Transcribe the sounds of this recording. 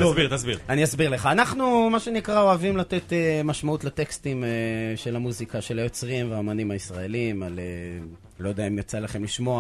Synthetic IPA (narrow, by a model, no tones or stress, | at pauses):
biʁt̪asbiʁaniasbiʁleχaːnaχnumaʃe̞nikʁao̞avimlat̪e̞t̪emaʃmautletekst̪imeʃe̞lamuzikaʃe̞lajo̞t͡sʁimveaomanimhaisʁae̞limale | lo̞jd̪eaimjot͡salaχe̞mliʃmo̞a